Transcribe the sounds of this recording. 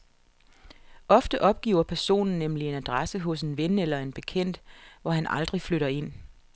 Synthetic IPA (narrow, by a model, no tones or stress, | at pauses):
ʔɒ̽fd̥əʔɒ̽b̥̚ɡ̥ḭːʊ̰ɐpʰæɐso̝̰ːnn̩ːemlie̝næd̥ʁasəɦɔ̽s̬e̝nʋenelɐe̝nb̥e̝kʰen̰d̥ʋɒɦænʔɑ̈ld̥ʁifløɾɐe̝n̰